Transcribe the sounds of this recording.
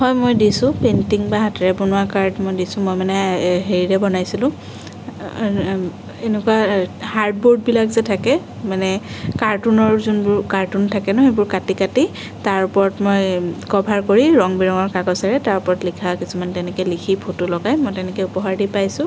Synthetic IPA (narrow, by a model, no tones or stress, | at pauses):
hɔjmojdisʊ̃pentiŋbaɦatʰɛɹɛbɔnʊwakaɹdmojdisʊ̃mojmanɛɦeɹiɹɛbɔnajsilʊ̃ | enɛkuwahaɹd̚boɹd̚bilakzɛtʰakɛ | manɛkaɹtunɔɹzunbʊɹkaɹtuntʰakɛnɔɦejbʊɹkatikati | taɹpɔɹɔtmojkɔbʱaɹkoɹiɹɔŋbiɹɔŋɔɹkakɔsaɹɛtaɹpɔɹɔtlikʰakisumantɛnɛkɛlikʰipʰotulɔɡajmojtɛnɛkɛupɔɦaɹdipajsʊ̃